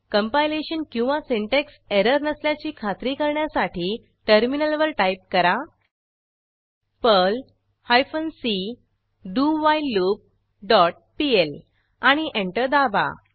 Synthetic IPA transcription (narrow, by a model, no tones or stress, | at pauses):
kəmpajleɕənkĩw̃ʋasiɳʈekseɾəɾnəsljat͡ɕiːkʰat̪ɾiːkəɾɳjasaʈʰiː | ʈəɾminəlʋəɾʈajp̚kəɾa | pəl | hajfənsi | ɖuʋajlup̚ | ɖɔʈ̚piel | aɽ̃iʔẽɳʈəɾd̪aba̰